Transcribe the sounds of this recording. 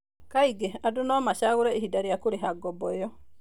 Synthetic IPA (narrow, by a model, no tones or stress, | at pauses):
kaiɡeadonɔmaʃaɣoɾɛihidaɾijakoɾeɦaɡɔbɔjɔ